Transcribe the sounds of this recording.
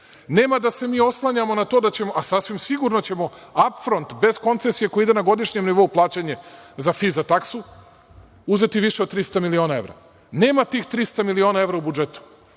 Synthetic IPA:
ne̞ːmad̪ase̞miːo̞slˠaɲamo̞nat̪oːd̪at͡ɕe̞moʔasasʋimsiɡuɾno̞t͡ɕe̞mo̞apfɾo̞nt̪be̞zko̞nt̪se̞sije̞koeid̪e̞naɡo̞d̪iʃɲe̞mniʋo̞uplˠaːt͡ɕeɲezafizat̪aksu | uze̞t̪iʋiʃe̞od̪̚t̪ɾist̪amilio̞ːnae̞ʋɾa̰ | ne̞ːmat̪iːxt̪ɾist̪amilio̞nae̞ʋɾaubud͡ʒe̞t̪u̥

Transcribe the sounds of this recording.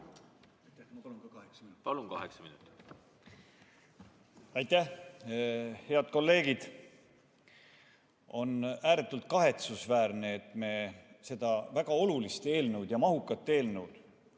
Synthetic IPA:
jt̪æmɑlunkɑkɑheksɑminupɑlunkɑ̰hḛksɑminut̪ːˑi̥ | ɑjt̪ːæh | he̞ɑd̪̥ko̞lːe̞ːɡid̪̥ | o̞næːɾe̞t̪ːˑult̪̚kɑɦe̞t̪susvæːɾneːt̪ːˑme̞se̞d̪̥ɑvæɡ̥ɑo̞lulist̪e̞ːlnəwd̪̥jɑmɑɦukːˑɑt̪ːe̞ːlnewd̪̥

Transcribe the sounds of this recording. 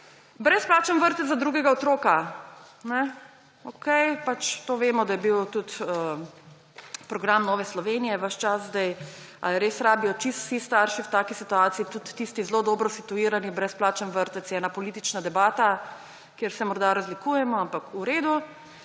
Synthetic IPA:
bɾɛsplaːt͡ʃənʋəɾt̪ɛt̪zad̪ɾuːɡɛɡaɔt̪ɾoːkanɛ | okɛjpat͡ʃt̪oːʋeːmɔd̪ajɛbiwt̪ut̪ə | pɾɔɡɾamnɔːʋɛslɔʋeːnijɛʋəʃt͡ʃaszd̪ɛj | a̰lɾeːsɾaːbijɔt͡ʃist̪sist̪aɾʃiwt̪aːkisit̪uaːt̪siːt̪ut̪ːist̪izlod̪ɔːbɾɔsit̪uiːɾanibɾɛsplaːt͡ʃənʋəɾt̪ɛt̪sjɛːnapɔliːt̪it͡ʃnad̪ɛbaːt̪a | kjeɾsɛmɔɾd̪aɾazlikuːjɛmɔampakuɾeːd̪u

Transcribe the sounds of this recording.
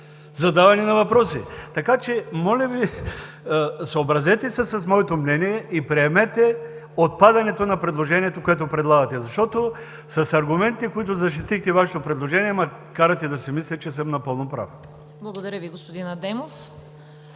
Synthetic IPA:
zɐd̪avɐnɛnɐvɐpɾɔsḭt̪ɐkat͡ʃɛmɔlʲɐvi | soobɾɐzɛt̪ɛsɛsɐsmɔɛt̪omnɛniɛʔipɾɛɛmɛt̪ɛ | ot̪̚pad̪ɐnɛt̪onɐpɾɛd̪lˠoʒɛniɛt̪okoɛt̪̬opɾɛd̪lˠaɡɐt̪ɛzɐʃt̪ɔt̪o | sɐsɐɾɡʊmɛnt̪ɛkoit̪ʊzɐʃ̬t̪it̪ixt̪ɛvaʃɛt̪opɾɛd̪lˠoʒɛniɛmɐkaɾɐt̪ɛd̪ɐsɛmislʲɛt͡ʃɛsəmnɐpɤlˠnopɾa̰f | blˠɐɡod̪ɐɾʲəviɡospod̪inɐd̪ɛmof

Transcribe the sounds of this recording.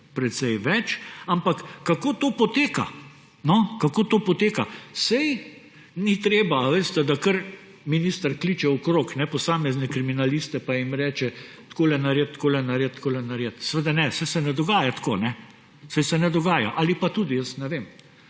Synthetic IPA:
pɾɛt̪sɛjʋɛt͡ʃampakːakoːt̪oːpɔt̪eːka̰ | nɔkakoːt̪oːpɔt̪eːkasɛj | nit̪ɾeːbaʋeːst̪ɛd̪akəɾ | miniːst̪əɾklit͡ʃɛɔkɾoːknɛpɔsaːmɛznɛkɾiminaliːst̪ɛpaimɾɛːt͡ʃɛ | t̪koːlɛnaɾjet̪̚t̪koːlɛnaɾjet̪̚t̪koːlɛnaɾjet̪sɛʋed̪anɛsɛjsɛnɛd̪ɔɡaːjat̪koːnɛ | sɛjsɛnɛd̪ɔɡaːja̰ʔalipat̪uːd̪ijəsnɛʋeːm

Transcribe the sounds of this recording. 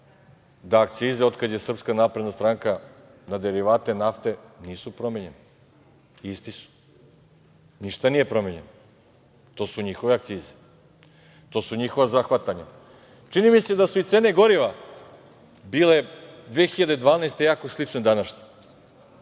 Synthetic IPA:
d̪aak̚t̪siːzeo̞d̪kad̪je̞sr̩pskanaːpɾed̪nast̪ɾaŋkanad̪eɾiʋaːt̪e̞naft̪e̞niːsupɾomeɲe̞ne | ist̪isu̥ | niʃt̪anije̞pɾo̞meɲeno | t̪o̞ːsuɲixo̞ʋeakt̪siːze̥ | t̪o̞ːsuɲixo̞ʋazaxʋat̪aɲa | t͡ʂinimise̞d̪asuit̪seneɡo̞ɾiʋa | biːled̪ʋeːxiʎad̪ed̪ʋaːnaest̪e̞jaːko̞slˠit͡ʂned̪anaʃɲe̥

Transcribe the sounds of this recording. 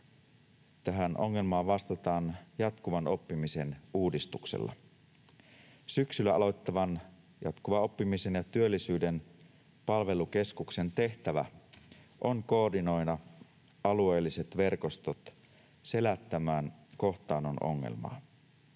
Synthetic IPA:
t̪æɦænʔo̞̰ŋːe̞lmɑːʋɑst̪ɑt̪ɑːnjɑt̪kuʋɑno̞pːimise̞nuːdist̪uksḛlːɑ̰ | syksylːæɑlo̞t̪ːɑʋɑn | jɑt̪kuʋɑo̞pːimise̞njɑt̪yølːisyːde̞n | pɑlʋe̞luk̟e̞skukse̞nt̪e̞ht̪æʋæ̰ | ʔo̞ŋko̞ːrdino̞jnɑ | ɑlue̞ːlːiset̪ʋe̞rko̞st̪o̞t̪ | se̞læt̪ːæmæːnko̞ht̪ɑːno̞no̞̰ŋːḛlmɑ̰ː

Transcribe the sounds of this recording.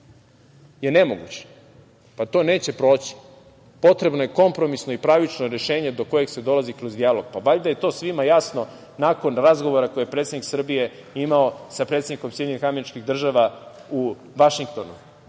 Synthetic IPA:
je̞ne̞mo̞ɡṵt͡ɕe̥ | pat̪o̞ːneːt͡ɕe̞pɾo̞ːt͡ɕi̥ | po̞t̪ɾe̞bno̞je̞ko̞mpɾo̞misno̞ipɾaʋit͡ʃnoɾe̞ʃe̞ːɲe̞d̪o̞ko̞jeɡsed̪o̞lˠazikɾozd̪ialo̞ɡ̥pabaʎd̪aje̞t̪o̞ːsʋimajasno̞ | nako̞nɾazɡo̞ʋo̞ɾako̞jijepɾet̪sed̪niksr̩bije̞imaosapɾet̪ed̪niko̞msjed̪ʲeɲnixameɾit͡ʃkixd̪r̩ʒaʋau | ʋaʃiŋkt̪o̞nṵ

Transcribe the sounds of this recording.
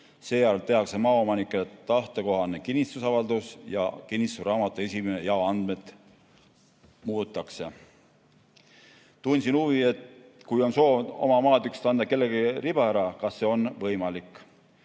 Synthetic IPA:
se̞ːjæɾlt̪e̞hɑkse̞mɑːo̞mɑnikːˑet̪ɑht̪eko̞ɦɑnekinʲːist̪usɑvɑld̪usjɑ̰kinʲist̪uɾɑːmɑt̪ːˑue̞sʲimene̞jɑoɑnd̪me̞t̪ | muːt̪ːˑɑkse̞ | t̪unʲsinuvie̞t̪ | kujo̞nso̞ːo̞̰mɑmɑːd̪ykst̪ɑnd̪̥ɑke̞lːe̞ɡirib̥ɑæɾɑkɑsːe̞o̞nvɤjmɑlikːˑ

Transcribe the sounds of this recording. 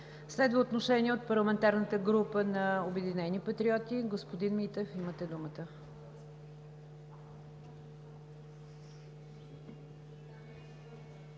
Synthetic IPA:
slɛd̪vəot̪noʃɛniɛot̪̚pəɾlˠəmɛnt̪aɾnət̪əɡɾupənɐobɛd̪inɛnipɐt̪ɾiɔt̪iɡospod̪inmit̪ɛfimət̪ɛd̪umət̪ə

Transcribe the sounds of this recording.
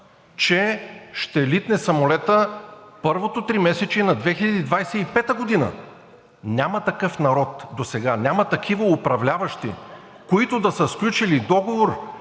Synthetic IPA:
t͡ʃɛʃt̪ɛlit̪nɛsɐmolɛt̪əpɤɾvot̪ot̪ɾimɛsɛt͡ʃinɐd̪vɛxilʲɐd̪id̪vajsɛipɛt̪əɡod̪inə̰ | nʲamɐt̪ɐkɤfnɐɾɔt̪d̪osɛɡanʲamɐt̪ɐkʰivəʊpɾɐvlʲavɐʃt̪ḭ | koit̪od̪ɐsəsklʲut͡ʃilid̪ɔɡovoɾ

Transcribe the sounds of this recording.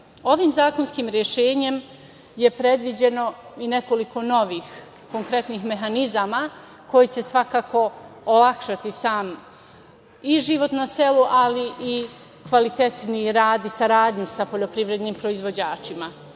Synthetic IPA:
o̞ʋiːmzaːko̞nskiːmɾjeʃeːɲe̞m | je̞pɾe̞d̪ʋid͡ʑe̞no̞ine̞ko̞liko̞no̞ʋiːx | ko̞ŋkɾe̞t̪nixme̞ɦanizama | ko̞jit͡ɕe̞sʋakaːko̞ːlakʃat̪isaːm | iʒiʋo̞t̪nase̞luʔaliʔi | kʋalit̪e̞t̪niɾaːd̪isaɾaːd̪ɲusapo̞ʎo̞pɾiʋɾe̞d̪niːmpɾo̞izʋo̞d͡ʑaːt͡ʃima

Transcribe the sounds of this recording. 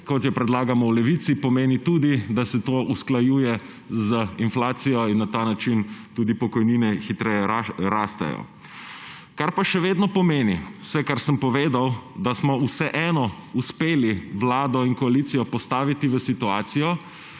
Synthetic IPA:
kɔt̪jɛpɾɛd̪laːɡamɔwlɛʋit̪sipɔmeːnit̪uːd̪id̪asɛt̪oːʔusklajuːjɛ | zəinflaːt̪sijɔinːat̪aːnat͡ʃint̪uːd̪ipɔkɔjninɛxit̪ɾɛjɛɾaːst̪a̰jɔ̰ | kaɾpaʃɛʋeːd̪nɔpɔmeːniwsɛkaɾsəmpɔʋeːd̪awd̪asmɔusɛʔɛːnɔuspeːliʋlaːd̪ɔinkɔalit̪sijɔpɔst̪aːʋit̪iʋəsit̪uaːt̪sijɔ

